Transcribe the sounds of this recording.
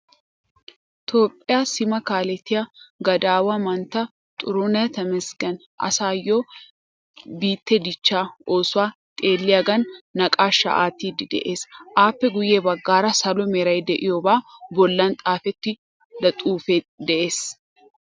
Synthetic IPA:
t̪ʰo̞ːpʼːɪjaːsɪmɐkaːlɛt̪ɪjɐɡɐd̪aːwɐmɐnt̪ɐ | t̪ʼʊɾonɐt̪ɐmɛsɡɐn | ʔɐ̰saːjːo̞ː | biːt̪ːɛd̪ɪt͡ʃːaːoːsʊaːt̪ʼeːlːɪjaɡɐnːɐkʼaːʃɐ̰ʔa̰ːt̪iːd̪ɪd̪ɛ̰ʔeːsʔaːpːɛɡʊjeːbɐɡːaːɾɐsɐlɔmɛɾɐjd̪ɛʔɪjɔbaːbɔlːɐnt̪ʼaːfɛt̪ːɪ | d̪ɐt̪ʼuːfeː | d̪ɛʔe̞ːs

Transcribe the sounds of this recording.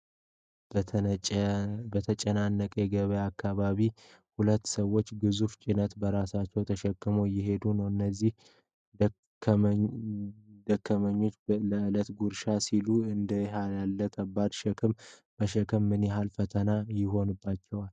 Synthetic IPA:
bət̪ʰət͡ʃʼənanːəkʼɛɡəβəjakːaβaβi | hulət̪ːsəwːo̞t͡ʃːɡɨzuft͡ʃʼinət̪bəɾasat͡ʃːɛwt̪ʰəʃɛkːɨmojɪɦe̞d̪unəwɨnːəzːih | d̪əkːəməɲːo̞t͡ʃːləɨlət̪ɡuɾʃasiluɨnd̪əɦajalːəkʰəbːad̪ʃɛkʰɨmː | əʃɛkʰəmːɨnjɛɦalfət̪ʰənajɪɦo̞nɨbːat͡ʃːɛwal

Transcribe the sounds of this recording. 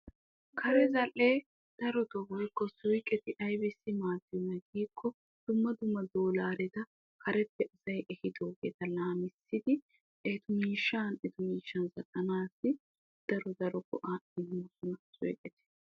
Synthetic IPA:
kʰɐɾɛzɐlːeː | d̪̥ɐɾɔt̪ɔbɔjkːɔsʊjkʼɛt̪ɪʔɐjbɪsːɪmaːd̪ɪnɐɡiːkʰːɔ | d̪̥ʊmːɐd̪ʊmːɐd̪oːlaːɾɛt̪ɐ | kʰɐɾɛt̪ːɛɐsɐjʔɛhɪd̪oːɡḛːt̪ɐlaːmɪsːɪd̪ɪ | ʔɛt̪ʊmiːʃːanɛt̪ʊmiːʃːɐnzɐkʼːɐnaːsːɪ | d̪̥ɐɾɔd̪ɐɾɔɡɔʔaɪmmːɔsʊnɐsʊjkʼɛt̪ɪ̥

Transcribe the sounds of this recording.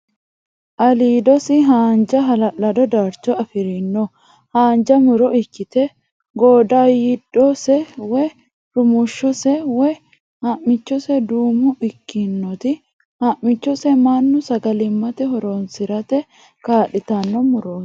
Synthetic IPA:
ʔɐliːd̪ɔsɪɦaːnd͡ʒɐɦɐlɐlɐd̪ɔd̪aːɾt͡ʃɔɐfɪɾɪnːɔ | haːnd͡ʒɐmʊɾɔʔɪkːɪt̪ɛ | ɡoːd̪aːjɪdɔsɛwɛ | ɾʊmʊʃːɔsɛwɛ | hɐʔmɪt͡ʃːɔsɛd̪uːmʊʔɪkːɪnːɔt̪ɪ | hɐʔmɪt͡ʃːɔsɛmanːʊsɐɡɐlɪmːɐt̪ɛɦɔɾoːnsɪɾɐt̪ɛ | kaːᶑɪt̪ɐnːɔmʊɾo̥ː

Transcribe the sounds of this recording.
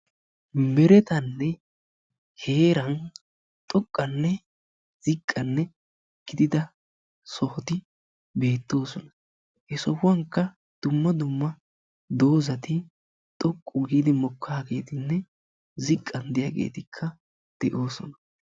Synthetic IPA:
mɛɾɛt̪ɐnːɛ | he̞ːɾɐn | t̪ʼɔkʼːɐnːɛ | z̥ɪkʼːɐnːɛ | ɡ̥ɪd̪ɪd̪ɐ | sɔhɔt̪ɪ | be̞ːt̪ːo̞ːsɔnɐ | hɛsɔwɐŋkːɐ | d̪̥ʊmːɐd̪ʊmːɐ | d̪o̞ːzɐt̪ɪ | t̪ʼɔkʼːʊɡiːd̪ɪmɔkʰːaːɡe̞̰ːt̪ɪnːɛ | zɪkʼːɐnd̪ɪjaːɡḛːt̪ɪkʰːɐ | d̪̥ɛʔo̞ːsɔ̰nɐ

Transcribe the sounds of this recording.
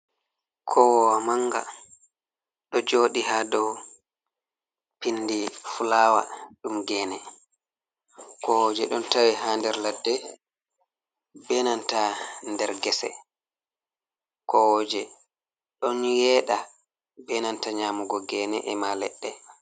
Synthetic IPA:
kʰɔwɔwamaŋɡa̰ | ɗɔd͡ʒoːɗiɦadɔw | pinːdifulawa̰ɗumɡɛːnɛ | kɔwɔd͡ʒɛɗɔntawiɦandɛɾladːɛ | bɛnantandɛɾɡɛsɛ̰ | kɔwɔd͡ʒɛ | ɗɔnjɛːɗa | bɛnantaɲaːmuɡɔɡɛnɛ̰ʔɛmalɛɗːɛ

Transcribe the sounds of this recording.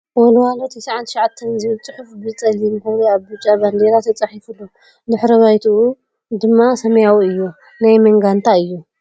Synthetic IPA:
wɔlwalot̪ʰisaʕant̪ʰʃʕat̪ʰːɐnzilt͡sʼɨħufbɨt͡sʼɐlimxɐβliaβbɨt͡ʃʼaband̪elat̪ʰɐt͡sʼɐħifulːo | d̪ɨħɾɐβajt̪ʰuu | d̪ɨmːasɐmɐjawiɨjːu | najmɐŋɡant̪ʰaɨjːu

